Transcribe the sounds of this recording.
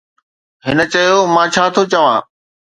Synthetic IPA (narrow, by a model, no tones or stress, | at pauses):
ɦɪnə̆t͡ɕɐjomãːt͡ɕʰaːt̪ʰot͡ɕɐʋãː